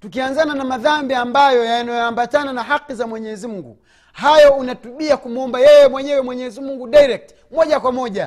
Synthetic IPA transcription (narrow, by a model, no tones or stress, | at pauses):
tukianzananamaðambiambajɔjanajɔambatananaɦakːizamwɛɲɛzimuŋɡṵ | hajɔunatuɓiakumuɔmbajɛjɛmwɛɲɛwɛmwɛɲɛzimuŋɡudajɾɛk̚t | mɔʄakwamɔʄa